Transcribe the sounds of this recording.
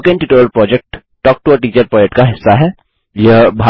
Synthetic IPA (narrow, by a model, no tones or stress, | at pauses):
kẽɳʈɪʈoːɾəlpɾɔːd͡ʒek̚ʈː | ɔːk̚ʈuəʈiːt͡ʃəɾpɔːd͡ʒeʈkaɦɪsːaɦɛː | jebʱa